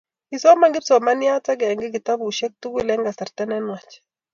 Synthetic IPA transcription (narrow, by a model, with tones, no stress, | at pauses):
i˨sɔ˦ma˦ŋɡɪ˦psɔ˨ma˦nja˦t͡sa˦ɡɛ˨ŋɡɪ˦ɡi˨ta˦bu˨ʃɛ˦k̚tu˦ku˦˨lɛ˦ŋɡa˨sa˨ɾtɛ˦nɛ˦nwa˨t͡ʃ